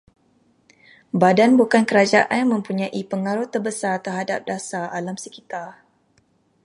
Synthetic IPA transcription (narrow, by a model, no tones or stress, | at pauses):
badanbukankəɾad͡ʒaʔanmə̃mpuɲãʔipəŋaɾʊt̪ːərbəsart̪ərɦadap̚dasaalamsəkit̪ar